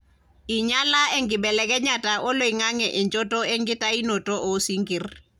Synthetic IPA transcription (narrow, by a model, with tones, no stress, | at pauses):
i˨ɲa˦la˦e˦ŋɡɪ˨bɛ˨lɛ˨kɛ˦ɲa˨ta˨ʔo˦lo˨i˨ŋa˦ŋɛ˨ʔɛ˨ɲd͡ʒo˦to˦e˦ŋɡi˦ta˦i˦no˨to˦ʔo˦si˦ŋɡi˨r